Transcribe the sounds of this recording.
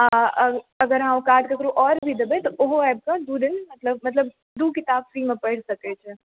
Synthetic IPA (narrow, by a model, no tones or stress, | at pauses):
a | ɐɡəɾɦãːʋ̃kaːɾʈkakəɾũʔɔːɾbʱid̪ɐbet̪ɔʔoɦoɛːb̚kad̪uːd̪ɪnmɐt̪ləbmɐt̪ləb̚ | d̪uːkɪt̪aːb̚fɾimẽpɐɽsɐket͡ʃʰe